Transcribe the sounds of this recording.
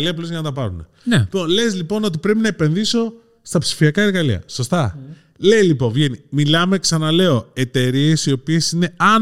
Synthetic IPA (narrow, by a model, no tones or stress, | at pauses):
liɐplozʝɐnɐt̪ɐpɐɾunḛ | nipo̞nle̞zlipo̞no̞t̪̬ipɾe̞pinɐepe̞nðiso̞ | st̪ɐpsi̥fiɐkɐe̞ɾɣɐlḭɐ̰so̞st̪ɐ | le̞jlipo̞ɱvʝe̞nimilɐme̞ksɐnɐle̞o̞e̞t̪e̞ɾie̞sio̞pie̞sine̞ɐ